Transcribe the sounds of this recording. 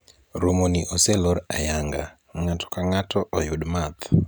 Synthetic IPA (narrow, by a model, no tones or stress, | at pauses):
ɾomoniʔɔselɔɾajaŋɡa | ŋatɔ̥kaŋatɔʔɔjʊdmat̪